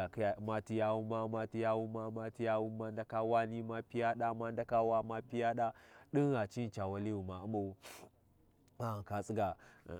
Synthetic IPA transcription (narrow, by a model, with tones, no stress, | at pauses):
a˨kja˨ma˦ti˦ja˦wu˦ma˦ma˦ti˦ja˦wu˦ma˦ma˦ti˦ja˦wu˦ma˦nda˦ka˦wa˦ni˦ma˦pi˦ja˦ɗa˦ma˦n˦da˦ka˦wa˦ma˦pi˦ja˦ɗa˦ɗi˦nɣa˨t͡ʃi˦n˨t͡ʃa˨wa˦li˦wu˨ma˨u˦ma˨u˦ | ma˦˨ka˨t͡sʼi˦ɡa̰˨